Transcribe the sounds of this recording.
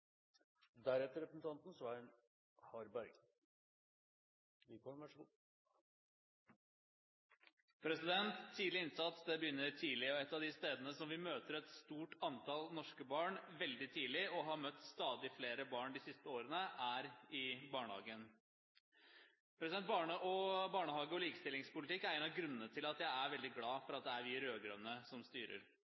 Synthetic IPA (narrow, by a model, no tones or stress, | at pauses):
d̪æɾɛt̪ːəɾɛpəsn̩t̪ʰɑnt̪n̩sʋɑːɾən | hɑɾbæɾɡ | ʋɪkɔʋæʂɡuː | pʰɾɛsɪd̪ɛnt̪ʰːiːlɪɪnsɑt̪sd̪ɛbəjʏnːəɾt̪ʰiːlɪɔɛt̪ːɑʋd̪ɪst̪eːd̪ənəsɔmʋɪmøːt̪əɾɛt̪st̪uːʈɑnt̪ʰɑlnɔʂkəbɑːɳʋɛld̪ɪt̪ʰiːlɪɔɦɑɾmœt̪ːst̪ɑːd̪ɪfleːɾəbɑːɳd̪ɪsɪst̪əoːɾənəʔæɾɪbɑːɳəhɑ̰ːɡən | pʰɾɛsd̪ɛnt̪̚bɑːɳəʔɔbɑːɳəhɑːɡəɔliːkə̥st̪ɪlɪŋspʊlɪt̪ɪkːææɪnɑɡɾʉnənət̪ʰɪlɑt̪jæɪæɾʋɛld̪ɪɡlɑːfɔɾɑt̪̚d̪ɛæɾʋɪɾøːɡɾœnːəsɔmst̪yːɾə̰ɾ